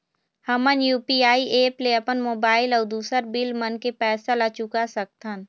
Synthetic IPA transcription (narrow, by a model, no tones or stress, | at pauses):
həmənjuːpiaːiʔeːpleəpənmoːbaːɪlɔːɾd̪uːsəɾbɪlmənkepɛːsalat͡ʃʊkasɐk̚t̪ən